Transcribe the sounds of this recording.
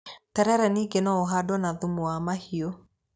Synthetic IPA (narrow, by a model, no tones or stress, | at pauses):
taɾɛɾɛniːɡenɔoɦadwɔnaðumwamahio